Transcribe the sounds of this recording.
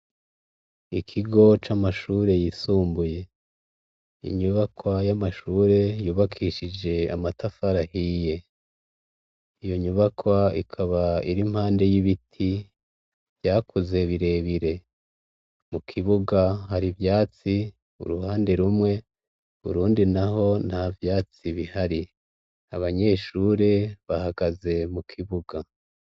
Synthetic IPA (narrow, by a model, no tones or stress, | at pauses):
ikʰiɡo̞t͡ʃamaʃuːɾe̞jisuːmbuje̞ | ḭɲuβakwajamaʃuːɾe̞juːβakʰiːʃid͡ʒe̞a̰matafaɾahije̞ | ijo̞ɲuβakwaḭkʰaβaiɾim̥haːnde̞jiβitʰi | vjaːkʰuze̞βiɾe̞ːβiɾe̞ | mukʰiβuɡaɦaɾivjaːt͡si | ṵɾuhaːnde̞ɾumŋe̞ | βṵɾuːndinaɦo̞navjaːt͡siβihaɾi | aβaɲe̞ːʃuːɾe̞βahaɡaze̞mukʰiβuɡa